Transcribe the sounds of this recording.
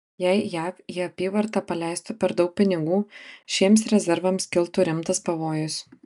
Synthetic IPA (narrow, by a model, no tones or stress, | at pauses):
jɛɪjæːfiːɐpʲiːʋɐɾt̪ɑpɐlʲɛˑɪst̪ʊpʲɛɾd̪ɒʊk̚pʲɪnʲɪɡuːʃʲiɛmsɾʲɛzʲɛɾʋɐmskʲɪlˠt̪ʊɾʲɪmt̪ɐspɐʋoːjʊs